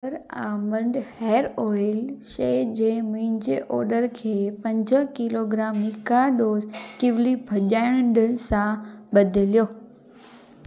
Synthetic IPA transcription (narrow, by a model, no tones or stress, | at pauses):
əɾaːmə̃ɳɖheːəɾɔːɪlʃeːd͡ʑeːmʊ̃ɦɪ̃ɲd͡ʑeʔɔ̰ːɾɖəɾkʰeːpɐ̃ɲd͡ʑə̆kɪloːɡɾaːmːikaɗoːzkiʋlibʱɐʄaːɪɽ̃ɖəsãbɐd̪ʱɪlijoː